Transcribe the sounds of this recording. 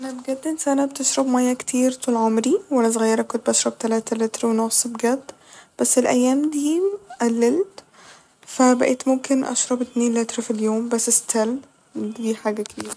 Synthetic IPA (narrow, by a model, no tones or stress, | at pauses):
ʔanæbɡæd̪ːɪnsʔanab̚t̪ɪʃɾˤɑbmæjːakt̪ʰiːɾt̪ˤuːlʕomɾiwalːæzɣajːɑɾˤɑkːʊnt̪̚bʔaʃɾˤɑb̚t̪alaːt̪alɪt̪ɾwnʊsˤbɡæd̪ | b̥æsːɪlʔæ̰jːæːmd̪iːmʔalːɪlt̪ | faæbaʔeːt̪mʊmkɪnʔa̰ʃɾˤɑbɪt̪niːnlɪt̪ɾfiljoːmbasːɪst̪ʰæl | t̪ɡiːħaːɡækbiːɾ